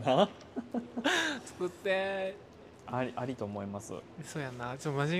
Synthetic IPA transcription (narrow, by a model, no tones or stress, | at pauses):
na | sɨ̥kɯt̪ːe | aɾʲiʔaɾʲit̪o̞ːmo̞imasɨ̰soːjanat͡ɕomaʑi